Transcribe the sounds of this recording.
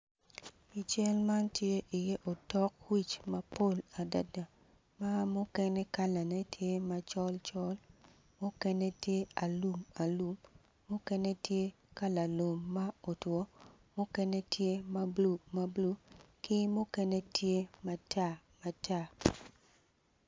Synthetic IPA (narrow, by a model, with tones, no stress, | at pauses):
i˨t͡ʃɛ˦lma˦ntje˦ʔi˨je˦ʔo˨tɔ˦k̚wi˦˨t͡ʃma˦po˦˨la˨da̰˨da˨ | ma˦mʊ˦kɛ˦nɛ˦ka˦la˨nɛ˦tʰje˦ma˨t͡ʃɔ˦lt͡ʃɔ˦l | mo˦kɛ˦ne˦tje˦a˨lu˨ma˨lu˨mː | ʊ˦kɛ˦ne˦tje˦ | ka˦la˨lu˨mːa˦o˨twɔ˨˦ | mo˦kɛ˦ne˦tʰje˦ma˦blu˨ma˦blu˦ki˦mo˦kɛ˦ne˦tje˦ma˦tʰa˦˨ | ma˨tʰa˦